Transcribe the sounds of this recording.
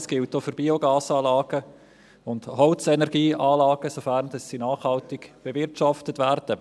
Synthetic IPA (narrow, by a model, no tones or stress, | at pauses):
sɡ̥ɪltːofʏɾbioɡɑːsɑːlɑːɡ̥ə | ʊndhɔlt͡sɛnɛʁɡ̥iːʔɑːlɑːɡ̥əsofæʁnd̥ɑsːinɑːχhɑltɪɡb̥evɪɾtʃɑftətvæɾd̥ə